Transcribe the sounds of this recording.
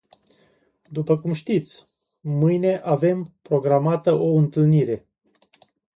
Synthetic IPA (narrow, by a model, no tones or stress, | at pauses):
d̪upəkumʃt̪it̪sʲ | mɨjne̞ʔave̞mpɾo̞ɡɾamat̪əʔo̞ɨnt̪ɨlniɾe̞